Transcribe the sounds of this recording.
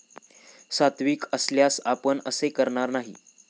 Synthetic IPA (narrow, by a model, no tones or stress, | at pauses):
sat̪ʋiːkəsljasapəɳəsekəɾɳaɾnaɦi